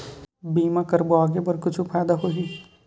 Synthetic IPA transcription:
biːmãkɐɾboaːɡebɐɾkʊt͡ʃʰupʰaːjd̪aɦoɦi

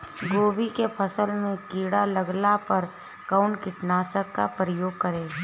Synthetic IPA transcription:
ɡoːbikepʰəsəlmẽkiːɽaləɡlapəɾ | kaʊnkɪʈnaːsəkːa̰pɾəjoːɡ̚kəɾẽː

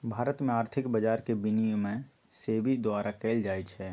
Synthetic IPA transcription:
bʱaːɾət̪mẽaːɾt̪ʰɪkbəd͡ʒaːɾkebɪnijomẽ | sebid̪ʊaːɾʔakɛːld͡ʒaːjt͡ʃʰɛ

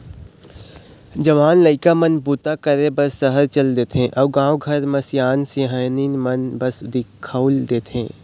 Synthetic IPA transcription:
d͡ʒɐʋaːnləɪkamɐnbut̪akəɾebɐsːəɦəɾt͡ʃɐld̪eːt̪ʰẽʔɐːbɡãːoɡʱɐɾmɐsjaːnseɦəjninmɐnbɐsd̪ɪkʰːaʊld̪eːt̪ʰɦḛ̃ː

